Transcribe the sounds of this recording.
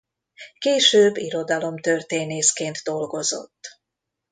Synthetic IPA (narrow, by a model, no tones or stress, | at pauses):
keːʃøːbːiɾo̞d̪ɒlo̞mt̪ø̞rt̪eːneːskeːnt̪d̪o̞lɡo̞zo̞̰t̪ː